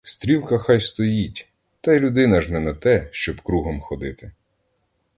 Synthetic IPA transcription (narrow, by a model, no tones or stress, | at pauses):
st̪ɾʲilˠkɐxɑjst̪ɔjitʲ | t̪ɐjlʲʊd̪ɪnɐʒnɛnɐt̪ɛʃt͡ʃɔbkɾuɦɔmxɔd̪ɪt̪ɪ